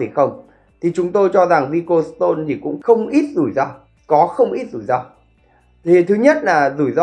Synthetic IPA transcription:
i˨˧˩xə˧wŋ͡m | t̪ʰi˨˩t͡ɕʊ˨˦ŋ͡mt̪o˧jt͡ɕɔ˧za˨˩ŋvi˧ko˧st̪o˧nt̪ʰi˨˩kʊ̰˧˥ŋ͡mxə˧wŋ͡mʔi˦˥t̚zu˧˩jzaː˧ | kɔ˨˦xə˧wŋ͡mʔi˦˥t̚zu˧˩jzaː˧ | t̪ʰi˨˩t̪ʰɨ˨˦ɲə˦˥t̚laː˨˩zu˧˩jzɔ˧

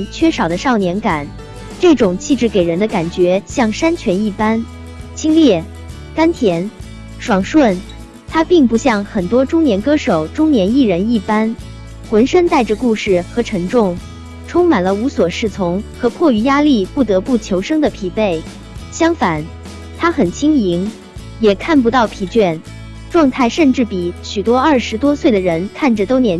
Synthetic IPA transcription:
t͡ɕʰɥɛ˥˩ʂɑ˨˩ʊd̪ə˦ʂɑ˥˩ʊnjɛ˧˥nka˨˩˦n | ʈ͡ʂɤ˥˩ʈ͡ʂʊ˨˩ŋt͡ɕʰi˥˧ʈ͡ʂɻ̩˥˩ke˨˩ɪɻə˧˥nd̪ə˧ka˨˩nt͡ɕɥɛ˧˥ɕjɑ˥˩ŋʂa˥nt͡ɕʰɥɛ˧˥ni˥˩pa˥n | t͡ɕʰi˥ŋljɛ˥˩ | ka˥nt̪ʰjɛ˧˥n | ʂwɑ˨˩ŋʂwə˥˩n | t̪ʰa˥pi˥˧ŋpu˧˥ɕjɑ˥˩ŋxə˨˩nt̪wɔ˥ʈ͡ʂʊ˥ŋnjɛ˧˥nkɤ˥ʂo˨˩ʊʈ͡ʂʊ˥ŋnjɛ˧˥ni˥˩ɻə˧˥ni˥˩pa˥n | xwə˧˥nʂə˥nt̪a˥˩ɪʈ͡ʂə˩ku˥˧ʂɻ̩˥˩xɤ˧˥ʈ͡ʂʰɤ˧˥ŋʈ͡ʂʊ˥˩ŋ | ʈ͡ʂʰʊ˥ŋma˨˩nlə˦u˧˥swɔ˨˩ʂɻ̩˥˩t͡sʰʊ˧˥ŋxɤ˧˥kʰwɔ˥˩y˧˥ja˥li˥˧pu˥˩t̪ɤ˧˥pu˥˩t͡ɕʰjo˧˥ʊʂɤ˥ŋd̪ə˨pʰi˧˥˩pe˥˩ɪ | ɕjɑ˥ŋfa˨˩˦n | t̪ʰa˥xə˨˩nt͡ɕʰi˥ŋi˧˥ŋ | jɛ˨˩kʰa˥˩np̬u˧˥t̪ɑ˥˩ʊpʰi˧˥t͡ɕɥɛ˥˩n | ʈ͡ʂwɑ˥˧ŋt̪ʰa˥˧ɪʂə˥˧nʈ͡ʂɻ̩˥˩pi˨˩ɕy˨˩t̪wɔ˥ɐ˞˥˩ʂɻ̩˧˥t̪wɔ˥swe˥˩ɪd̪ə˩ɻə˧˥nkʰa˥˩nʈ͡ʂə˨˩t̪o˥ʊnjɛ˧˥n

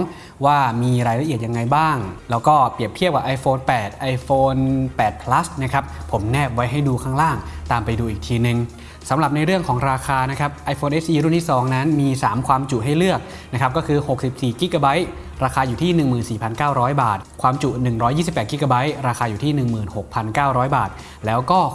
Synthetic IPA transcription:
ŋ | waː˥˩miː˧ɾaː˧jɾa˧ʔi˨˩ət̪̚ja˧ŋːa˧jbaː˥˩ŋlɛː˦˥wkɔː˥˩pi˨˩əp̚t̪ʰi˥˩əp̚ka˨˩ʔa˧jfoː˧npɛː˨˩t̪̚ʔa˧jfoː˧npɛː˨˩t̪̚pʰla˦˥sna˦˥kʰa˦˥p̚ʰo˩˦mnɛː˥˩p̚wa˦˥jɦa˥˩jduː˧kʰaː˥˩ŋlaː˥˩ŋt̪aː˨˩mpa˧jduː˧ʔiː˨˩k̚t̪ʰiː˧nɯ˨˧ŋ | sa˩˦mɾa˨˩p̚na˧jɾɯ˥˩əŋkʰɔː˩˦ŋɾaː˧kʰaː˧na˦˥kʰa˦˥p̚ʔa˧jfoː˧nʔe˦˥sʔiː˧ɾu˥˩nt̪ʰiː˥˩sɔː˩˦ŋna˦˥nmiː˧saː˩˦mkʰwaː˧mt͡ɕu˨ʔɦa˥˩jlɯ˥˩ək̚ | na˦˥kʰa˦˥p̚kɔː˥˩kʰɯː˧ho˨˩k̚si˨˩p̚siː˨˩ki˦˥ka˧ba˦˥j | ɾaː˧kʰaː˧juː˨˩t̪ʰiː˥˩nɯ˨˩ŋmɯː˨˩nsiː˨˩pʰa˧nkaː˥˩wɾɔː˦˥jbaː˨˩t̪̚kʰwaː˧mt͡ɕu˨˩nɯ˨˩ŋɾɔː˦˥jiː˥˩si˨˩pːɛː˨˩t̚ki˦˥ka˧ba˦˥jɾaː˧xʰaː˧juː˨˩t̪ʰiː˥˩nɯ˨˩ŋmɯː˨˩nho˨˩k̚pʰa˧nkaː˥˩wɾɔː˦˥jbaː˨˩t̪̚lɛː˦˥wkɔː˥˩

